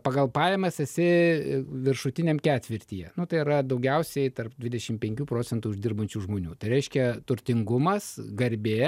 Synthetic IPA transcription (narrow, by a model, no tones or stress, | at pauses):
pɐɡɐlˠpɑːjɛmɐsɛsʲɪ | ʋʲɪrʃʊt̪ʲɪnʲemkʲæːt̪ʲʋʲɪɾʲt̪ʲiːjɛnʊt̪ɐɪiɾɐd̪ɐʊɡʲɛʊsʲɛɪt̪ɐrpd̪ʲʋʲɪd̪ʲɛʃʲɪmpʲɛŋʲkʲuːpɾoːt͡s̪ʲɛnt̪uːɪʒd̪ʲɪrbɐnʲt͡ʃʲuːʒmoːnʲuːt̪ɐɪɾʲɛɪʃʲkʲɛt̪ʊɾʲt̪ʲɪŋɡʊmɐsɡɐɾʲbʲeː